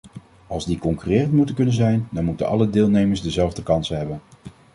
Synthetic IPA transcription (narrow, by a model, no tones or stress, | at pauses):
ɑlˠzdikɔŋkyrɪːrəntmutəkɵnənzɛjndɑnmutə̰nɑ̰lədɪːlˠnejməɹzdəzɛlˠvdəkɑnsəɦɛbən